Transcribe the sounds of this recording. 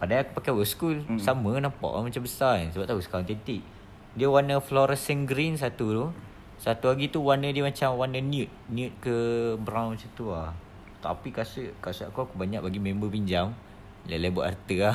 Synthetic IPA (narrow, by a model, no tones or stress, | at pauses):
padaaku̥pakɛwəskulsamə̃nampa̰ʔa̰mat͡ʃambəsansəbap̚t̪ausə̥kawant̪ɛnt̪iʔ̚ | diəwanəflɔɾəsənɡɾinsat̪ut̪u | sat̪uaɡit̪uwanədiəmat͡ʃamwanəniut̪̚niut̪̚kəbɾãwnmasat̪ua | t̪a̰pikasəkasəʔakuakubaɲaʔ̚baɡimẽmbəpiɲd͡ʒam | lalabuʔa̰rt̪əa